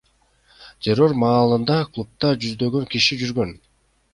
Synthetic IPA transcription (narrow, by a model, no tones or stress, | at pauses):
t̪ʲʰe̞ro̞rmɑːlˠɯnd̪ɑklˠup̚t̪ɑd͡ʒyzd̪ø̞ɡø̞ŋkiʃid͡ʒyɾɡø̞n